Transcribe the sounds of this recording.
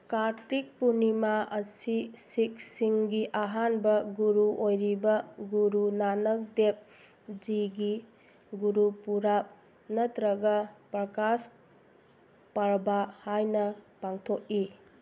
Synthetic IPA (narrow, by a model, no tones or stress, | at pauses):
kaɾtik̚punimaɐsisik̚siŋɡiʔaɦanbɐɡuɾuʔojɾibɐɡuɾunanɐk̚dep̚ | d͡ʒiɡi | ɡuɾupuɾap̚ | nɐtɾɐɡɐpɾɐkas | paɾbahajnɐpaŋtʰok̚i